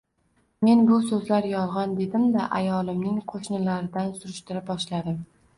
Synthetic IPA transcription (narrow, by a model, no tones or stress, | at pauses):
me̞nbʊsɵzlaɾjɒlˠʁɒnd̪e̞d̪ɪmd̪aʔajɒlˠɪmnɪŋqʰoʃnɪlaɾɪd̪ansʊɾɪʃt̪ɪɾɪp̚bɒʃlad̪ɪm